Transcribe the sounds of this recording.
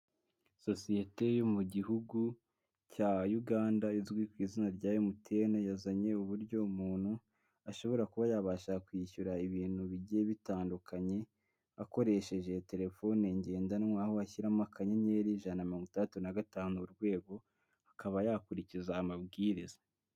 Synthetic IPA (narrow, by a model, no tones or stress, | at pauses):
so̞sije̞te̞jo̞muɟiɦuɡu | cajuɡaːndaizɡwikwiːzinaɾɟaːjomutʰe̞nejazaɲe̞uβuɾɟo̞umuːn̥hu | aʃo̞βo̞ɾakuβajaβaʃakwiːçuɾaiβiːn̥huβiɟieβitaːndukʰaɲe̞ | ako̞ɾe̞ʃe̞ʒe̞te̞ɾe̞fo̞neɲɟe̞ːndanmwahoaçiɾamakʰaɲeɲe̞ːɾiʒanamiɾoːŋɡutatunaɡataːnuuɾɡwe̞ːɡo̞ | ḁkaβajaːkuɾicizaːmabɡiːɾiza